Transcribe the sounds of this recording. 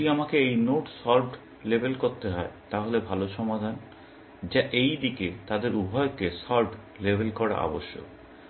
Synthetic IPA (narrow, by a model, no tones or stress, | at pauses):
iamakeejnoʈsɔɾɖ | lebʱelkoɾt̪eɦɔet̪aɦolebʱaloʃɔmad̪ʱan | d͡ʑaʔejd̪iket̪ad̪eɾubʱɔekesɔɾɖ | lebʱelkɔɽa̰ʔɔ̰boʃːo̰